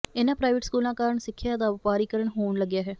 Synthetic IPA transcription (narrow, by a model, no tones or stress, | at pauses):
ɪnãːpɾaːɪʋɪʈskuːlãːkaːɾəɳsɪkʰːjaːd̪aːʋɪpaːɾiːkəɾəɳɦoːɳləɡjaːɦɛː